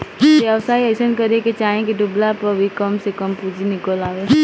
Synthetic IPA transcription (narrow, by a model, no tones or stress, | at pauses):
jeɐʋsaːiɛʃənkəɾeket͡ʃaːɦẽkiɖʊblapəbʱikəmsekəmpuːd͡ʒʱinɪkəlaːʋe